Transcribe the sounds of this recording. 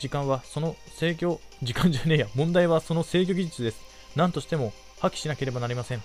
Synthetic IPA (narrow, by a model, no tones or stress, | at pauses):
d͡ʑikãɰ̃βaso̞no̞ | se̞ːkʲo̞d͡ʑikãɲ̟d͡ʑɨːnʲe̞jamõ̞nd̪aiβaso̞no̞se̞ːk̬ʲoɡʲiʑit͡sɨd̪e̞sɨ̥ | nãnt̪oɕi̥t̪e̞mo̞ | hakʲi̥ɕinake̞ɾe̞banaɾʲimasẽŋ